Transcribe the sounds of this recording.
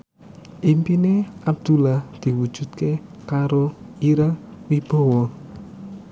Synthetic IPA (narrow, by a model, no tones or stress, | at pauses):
ʔimpineʔab̚d̪̥ṳlahd̪̥i̤wud̥ʒ̥ṳt̪̚kekaɾoiɾawib̥ɔ̤wɔ